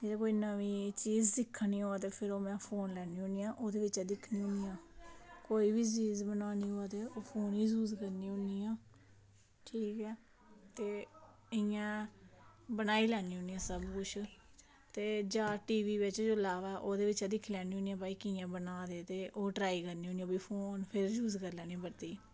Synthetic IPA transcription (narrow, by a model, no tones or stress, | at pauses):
d͡ʒeːd̪ãːkoːiːnəʋiːt͡ʃiːzsɪkʰːnĩːɦoːaːt̪̬eːpʰɪɾoːmɛ̃ːpʰoːnlɛːniːoniːjãːʔoːd̪eːʋɪt͡ʃɛd̪ɪkʰniːʊ̃niːjãːkoːiːbiːt͡ʃiːzbənaːniːɦoːaːt̪eːoːpʰoːnɦiːsuːzkəɾniːõniːãː | ʈʰiːkɛː | t̪eː | ɪjãː | bənaːiːlɛːniːõːniːãːsəbkʊt͡ʃʰ | t̪eːd͡ʒãːʈiːʋiːʋɪt͡ʃd͡ʒoːlaːʋaːɛʔoːd̪eːʋɪt͡ʃɛːd̪ɪkʰːlɛːniːõːnijãːpaːiːkɪjãːbənaːd̪eːt̪eːʔoːʈɾaːiːkəɾniːoːniːãːbiːpʰoːnpʰɪɾd͡ʒuːzkəɾlɛːnĩːbəɾt̪eː